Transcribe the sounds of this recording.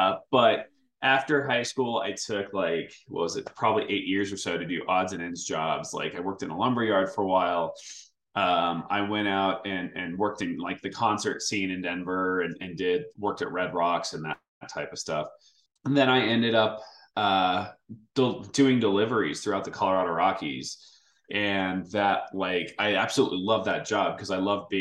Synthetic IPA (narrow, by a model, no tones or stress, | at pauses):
ʌb̥ʌɾ | ʔæftə˞ɦaɪskulˠa̰ɪtʰʊklaɪkwɛʌ̰wʌzɨtpʰɹ̥ɑbəbliʔeɪʔjɪɹzə˞soʊɾɨdɨʔɑdzɨ̃nɨ̃nzd͡ʒɑ̰bz̥la̰ɪkaɪwɜ˞k̚tɨ̃nə̰lʌ̃mbə˞jɑɹd̥fə˞əwaɪlˠ | ʔʌ̃ma̰ɪwɛ̃ɾ̃aʊɾɨ̃nɨ̃nwɜ˞k̚tɨ̃nlaɪk̚ðɨkʰɑ̃nsə˞tsĩnɨ̃ndɛ̃ɱvə˞ɨ̃nɨ̃ndɪd̚wɜ˞k̚tɨ̰ʔ̚ɹɛd̚ɹɑksɨ̃nðɨ̰ | tʰaɪpʌv̥stʌf | ðɨ̃ɾ̃aɪɛ̃ndɨɾʌp̚ | ʌ | d̥d̥ʉɪ̃ŋdəlɪvə˞iz̥θɹʉaʊt̪̚ðɨkʰɑlˠə˞ɑɾəɹɑkʰḭz̥ | ʔɨ̃nðɨt̚laɪkaɪæb̥səlṵʔˡlilʌvðɨt̚d̥ʒ̥ɑb̚kʰʌzaɪlʌvbi